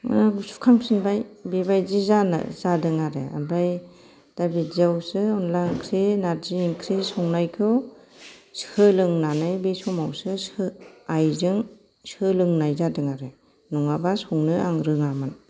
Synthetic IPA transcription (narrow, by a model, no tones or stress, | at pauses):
su̥kʰaŋsɯnbajbebajzizana̰zadɯŋaɾḛa̰mbɾaj | d̥abitzawsɯɔnlaŋkʰɾinaɾziŋkʰɾisɔŋnajkʰɯ | shʰɯlɯŋnanɯjbesɔmawsɯsɯajzɯŋ | sɯlɯŋnajzadɯŋaɾe | nuŋabasɔŋnɯaŋɾɯŋaman